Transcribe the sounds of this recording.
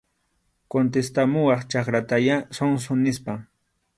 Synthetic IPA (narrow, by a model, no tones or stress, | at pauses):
kont̪̬est̪amʊwɑχt͡ʃakɾat̪ajasoŋs̬ʊnɪspaŋ